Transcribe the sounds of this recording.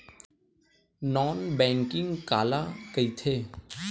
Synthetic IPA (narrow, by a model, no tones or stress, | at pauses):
nɔːnbɛ̃ːŋkɪ̃ŋɡkaːlakəit̪ʰeː